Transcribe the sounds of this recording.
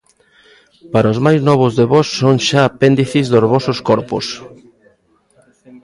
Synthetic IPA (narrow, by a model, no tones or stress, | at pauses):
paɾaozmajznɔβ̞ʊzðeβɔsːoŋʃaːpend̪iθizðozβɔsoskɔɾpos